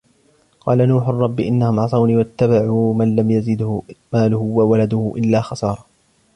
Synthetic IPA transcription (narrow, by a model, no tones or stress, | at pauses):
qɑːlanuːħʊrˤːɑbːɪʔɪnːahʊmʕɑsˤɑwniːwat̪ːabaʕuːmanlamjazɪd̪hmaːlʊhʊwawalad̪ʊhʊʔɪlːaːxɑsɑːɾˤɑ